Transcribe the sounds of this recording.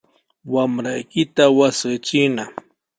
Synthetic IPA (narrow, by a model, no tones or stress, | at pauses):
wamɾajkɪt̪awasɪt͡ʃɪna